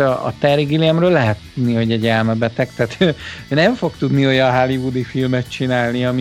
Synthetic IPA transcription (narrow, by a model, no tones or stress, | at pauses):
ɒɒ̰t̪ɛɾiɡiliɛmrøːlɛɦɛt̪ːud̪niho̞ɟɛɟɛlmɛbɛt̪ɛkt̪ɛːt̪ønɛɱfo̞kt̪ud̪nio̞jɒɦalivud̪ifilmɛt̪t͡ʃinaːlniɒmi